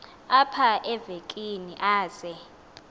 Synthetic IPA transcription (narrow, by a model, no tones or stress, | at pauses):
apʰaʔɛvekʼiniʔaːz̥ɛ